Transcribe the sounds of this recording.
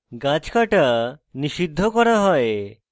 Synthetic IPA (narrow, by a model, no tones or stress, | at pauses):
ɡat͡ʃkaʈaniʃid̪ʱːɔkɔɾaɦɔe